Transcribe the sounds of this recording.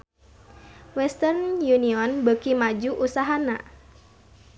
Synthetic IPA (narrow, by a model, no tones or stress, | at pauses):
wɛst̪ərnjuniɔnbəkimad͡ʒuʔusaɦana̰